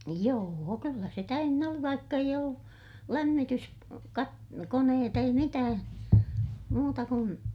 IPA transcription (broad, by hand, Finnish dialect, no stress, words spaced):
joːo kylːæ se tæynːæ oli ʋɑikːɑ eij olːu læmːitys kɑt koneːt ei mitæː muːtɑ kun